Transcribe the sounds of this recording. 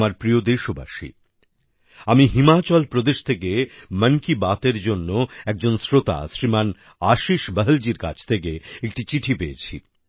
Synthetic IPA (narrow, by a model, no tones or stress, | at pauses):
maɾpɾiod̪eʃoba̰ʃḭ | amiɦimat͡ɕɔlpɾod̪eʃt̪ʰekemənkibat̪eɾd͡ʑonːoɛk̚d͡ʑonsɾot̪a̰sɾiman | aʃiʃbəɦəld͡ʑiɾka̰t͡ɕʰt̪ʰek̬eek̚ʈit͡ɕiʈʰipeet͡ɕʰi